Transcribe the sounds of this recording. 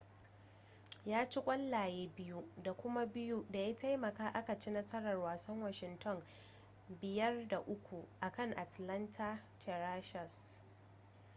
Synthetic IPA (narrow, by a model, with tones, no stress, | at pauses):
jaː˦t͡ʃi˦kʷʼɐ˦lːaː˨jeː˦bɪ˦ju˦da˨kʷʊ˦ma˦bɪ˦ju˦da˨ja˦tʰa˦jmɐ˨kaː˦ʔa˦ka˨t͡ʃi˦na˦sɐ˦ɽɐ˨rwaː˨sɐ˦ŋwa˦ʃɪ˨ntʰɔ˦˨n | bɪ˨jɐ˦rda˨ʔʊ˦kʷu˨ʔa˨kɐ˦˨ŋʔa˨tlɐ˦ntʰa˦tʰɛ˨ɾaː˦ʃɐ˨s